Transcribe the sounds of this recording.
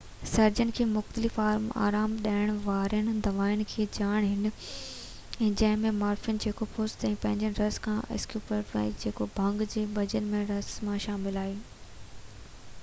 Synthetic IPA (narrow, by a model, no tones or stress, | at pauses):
sɐɾd͡ʑənɪ̆kʰeːmʊxt̪əlɪfaːma̰ːɾaːmɗaːɪɽ̃ʋaːɾijəñ̆d̪ɐʋaːɪnɪ̆kʰeːd͡ʑaːɽ̃ɦɪn̆ | ɛ̃ːd͡ʑɐ̃ɦɪ̃mẽmaːɾfjənɪ̆d͡ʑeːkopʰoːst̪ɛ̃ːpɐ̃ɦɪ̃ɲd͡ʑənɪɾɐskʰãːʔɪ̰skjuːpəɾfɾa̰ːɪkd͡ʑeːkobʱɐ̃ŋɡd͡ʑeːbʱɐd͡ʑənɪ̆mẽɾɐsmãʃaːmɪlaːɦeː